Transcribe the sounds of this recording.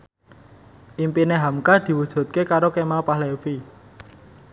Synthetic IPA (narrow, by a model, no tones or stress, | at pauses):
ʔimpineɦamkad̪̥i̤wud̥ʒ̥ṳt̪̚kekaɾokemalpaɦlefi